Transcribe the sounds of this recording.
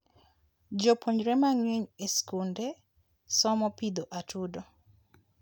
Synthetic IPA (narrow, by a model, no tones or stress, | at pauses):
d͡ʒɔpʰoɲɾɛmaŋweɲeskundɛ | sɔmɔpid̪ɔʔatudɔ